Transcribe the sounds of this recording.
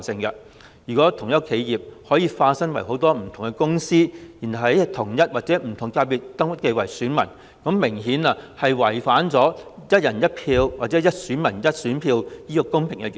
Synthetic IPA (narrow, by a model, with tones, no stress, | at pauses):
sɪ˧ŋkɐ˧ | jyː˨˩kʷɔː˨˥t̪ʰʊ˨˩ŋjɐ˥kʰe˨˧jjiː˨p̚hɔː˨˥jiː˧faː˧tsɐ˥ŋwɐ˨˩jɦo˨˥wt̪ɔː˥m̩˨˩t̪ʰʊ˨˩ŋkɛ˧kʊ˥ŋsiː˥jiː˨˩nhɐ˨˩whɐ˨jɐ˥t̪ʰʊ˨˩ŋjɐ˥t̚waː˨t̚t͡sɛː˨˥m̩˨˩t̪ʰʊ˨˩ŋkaː˧piː˨t̚t̪ɐ˥ŋwɐ˥t̚ke˧wɐ˨˩jsyː˨˥nmɐ̰˨˩n | kɔ˨˥mmɪ˨˩ŋɦiː˨˥na˧hɐ˨jwɐ˨˩jfaː˨˥nt͡sɔː˨˥jɐ˥t̚jɐ˨˩njɐ˥t̚pʰiː˧wwaː˨t̚t͡sɛː˨˥jɐ˥t̚syː˨˥nmɐ˨˩njɐ˥t̚syː˨˥npʰiː˧wjiː˥kɔ˧kʊ˥ŋpʰɪ˨˩ŋkɛ˧j